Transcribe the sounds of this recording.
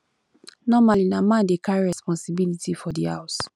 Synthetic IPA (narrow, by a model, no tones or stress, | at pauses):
nɔmalinamãndekʰaɹiɹɛspɔ̃nsibilitifɔdiha̰ʊs